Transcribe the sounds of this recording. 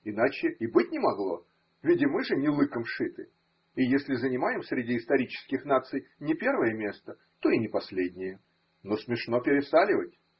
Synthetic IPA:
ɪnat͡ɕɪibɨtʲnʲɪmɐɡlˠo̞̰ | vʲidʲɪmɨʐɨnʲɪlˠɨkəmʂɨt̪ɨ | ɪjesʲlʲɪzənʲɪmajɪmsʲɾʲɪdʲiɪst̪ɐɾʲit͡ɕɪ̥skʲɪxnat̪sɨjnʲɪpʲe̞rvəjəmʲe̞st̪ə | t̪o̞inʲɪpɐsʲlʲedʲnʲɪjə | no̞smʲɪʂno̞pʲɪɾʲɪsalʲɪvətʲ

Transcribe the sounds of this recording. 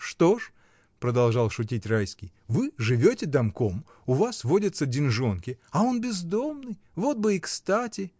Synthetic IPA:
ʂt̪o̞ʂ | pɾəd̪ɐlˠʐɑlˠʂʊt̬ʲitʲrajskʲɪj | vɨʐɨvʲotʲɪd̪ɐmkom | ʊvasvo̞dʲət̪sədʲɪnʐo̞nkʲɪɐo̞nbʲɪzd̪o̞mnɨj | vo̞t̪̚bɨikst̪atʲɪ

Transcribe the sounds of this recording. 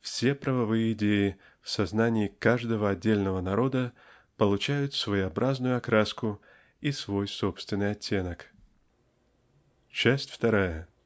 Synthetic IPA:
fsʲe̞pɾəvɐvɨjəɪdʲejɪ | fsɐznanʲɪɪkaʐd̪əvəɐdʲːelʲnəvənɐɾo̞d̪ə | pəlˠʊt͡ɕæjʊt̪svəjɪɐbɾʔaznʊjʊɐkɾaskʊ | isvo̞jso̞pst̪vʲɪnɨjɐtʲːe̞nək | t͡ɕæsʲtʲft̪ɐɾajə

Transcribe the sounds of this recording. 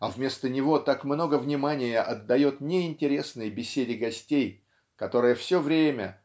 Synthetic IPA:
ɐvmʲe̞st̪ənʲɪvo̞t̪akmno̞ɡəvnʲɪmanʲɪjəʔɐd̪ːɐjo̞t̪̚nʲɪɪnʲtʲɪɾʲe̞snɨjəbʲɪsʲedʲɪɡɐsʲtʲej | kɐt̪o̞ɾɨjəfsʲo̞vɾʲemʲə̰

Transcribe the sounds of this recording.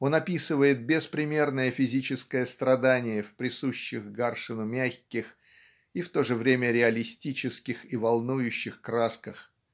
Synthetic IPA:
o̞nɐpʲisɨvəjɪt̪̚bʲɪspɾʲɪmʲe̞rnəjəfʲɪzʲit͡ɕɪskəjəst̪ɾɐd̪anʲɪjəfʲpɾʲɪsuɕːɪxɡarʂɨnʊmʲaxʲkʲɪx | ift̪o̞ʐɨvɾʲemʲəɾʲɪɐlʲɪsʲtʲit͡ɕɪskʲɪxivɐlˠnujʊɕːɪxkɾaskəx

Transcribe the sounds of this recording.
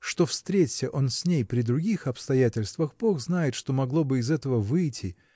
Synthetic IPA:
ʂt̪o̞fst̪ɾʲetʲsʲəʔo̞nsʲnʲejpɾʲɪd̪ɾʊɡʲixɐpst̪ɐjætʲɪlʲst̪vəxboxznajɪt̪ʂt̪o̞mɐɡlˠo̞bɨɪzɛt̪əvəvɨjtʲʰɪ

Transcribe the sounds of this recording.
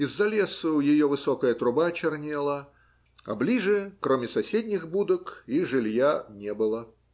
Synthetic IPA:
izːɐlʲesʊjɪjovɨsokəjət̪ɾʊbat͡ɕɪrnʲelˠə | ɐ̰blʲiʐɨkɾomʲɪsɐsʲedʲnʲɪxbud̪əkiʐɨlʲjanʲebɨlˠə

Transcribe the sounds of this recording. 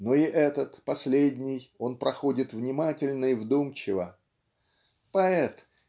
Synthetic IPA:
noɪʔɛt̪ət̪pɐsʲlʲedʲnʲɪjo̞npɾɐxo̞dʲɪt̪vnʲɪmatʲɪlʲnəɪvd̪umt͡ɕɪvə | pɐɛt̪

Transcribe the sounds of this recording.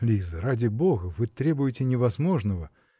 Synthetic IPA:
lʲizəɾadʲɪbo̞ɣəvɨt̪ɾʲe̞bʊjɪtʲɪnʲɪvɐzmo̞ʐnəvə

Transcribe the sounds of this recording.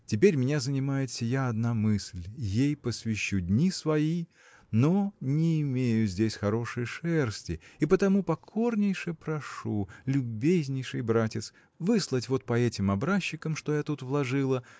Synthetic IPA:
tʲɪpʲeɾʲmʲɪnʲazənʲɪmajɪt̪sʲɪjaɐd̪namɨsʲlʲjejpəsvʲɪɕːudʲnʲisvɐi | nonʲɪːmʲejʊzʲdʲesʲxɐɾo̞ʂɨjʂɛrsʲtʲɪɪpət̪ɐmupɐkʰo̞rnʲɪjʂɨjpɾɐʂulʲʊbʲezʲnʲɪjʂɨjbɾatʲɪt̪s | vɨslˠətʲvo̞t̪̚pɐɛtʲɪmɐbɾaɕːɪkəmʂt̪o̞jat̪ut̪vlˠɐʐɨlˠə

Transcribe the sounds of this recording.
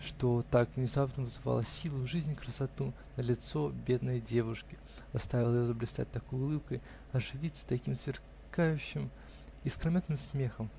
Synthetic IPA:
ʂt̪o̞t̪akvnʲɪzavt̪nəvɨzɨva̰lˠəsʲilˠʊʐɨzʲnʲkɾəsɐt̪unəlʲɪt̪so̞bʲe̞d̪nəjdʲevʊʂkʲɪ | zɐst̪avʲɪlˠəjozəblʲɪst̪a̰t̚ʲt̪ɐkojʊʊlˠɨp̚kəj | ɐʐɨvʲit̪sə̥t̪ɐkʲimsvʲɪr | kajʉɕːɪm | ɪskɾɐmʲet̪nɨmsmʲe̞xəm

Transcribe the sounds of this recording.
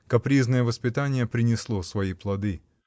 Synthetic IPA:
kɐpɾʲiznəjəvəspʲɪt̪anʲɪjəpɾʲɪnʲɪslˠosvɐiplˠɐd̪ɨ

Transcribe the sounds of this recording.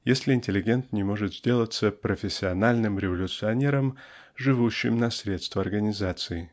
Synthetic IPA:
jesʲlʲɪɪnʲtʲɪlʲɪɡʲe̞nt̪nʲɪmo̞ʐɨt̪zʲdʲe̞lˠət̪səpɾəfʲɪsʲːɪɐnalʲnɨmɾʲɪvəlʲʊt̪sɨɐnʲe̞ɾəm | ʐɨvuɕːɪ̰mnɐsʲɾʲe̞t̪st̪vəɐrɡənʲɪzat̪sɨɪ

